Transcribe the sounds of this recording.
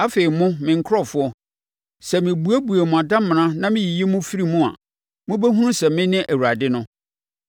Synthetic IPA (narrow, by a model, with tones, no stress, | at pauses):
a˦fe˨i˨mʊ̃˦mɪ̃˨ŋ̩˦kʰʊ˦ɾɔ˦˨fʊ˦ɔ˦ | sɛ˨mɪ̃˨bu˨˦æ˦bu˨e˨mʊ̃˨a˨dã˦mmːɪ̃˨nã˦nã˦mɪ̃˦ji˨je˦mʊ̃˦fi˦ɾi˦˨mũ˦a̰˨ | mʊ̃˦bæ˦ɦũ˦ũ˦sɛ˨mɪ̃˦nɪ̃˦ʔæ˨wu˨ɾa˨dɪ˦nʊ̃˦